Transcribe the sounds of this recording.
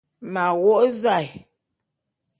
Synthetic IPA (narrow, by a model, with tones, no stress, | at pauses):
ma˨ɣo˦˨ʔza˦˨j